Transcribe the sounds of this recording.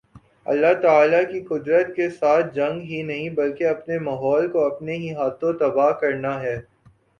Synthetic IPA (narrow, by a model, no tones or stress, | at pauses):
ɐ̰lːat̪aːlakiqʊd̪ɾət̪kesaːt̪̚ʰd͡ʒɐ̃ŋɡɦinɐɦĩbɐlkeɐpnemaːɦɔːlkoɐpneɦiɦaːt̪õt̪ɐbaːɦkɐɾnaɦɛː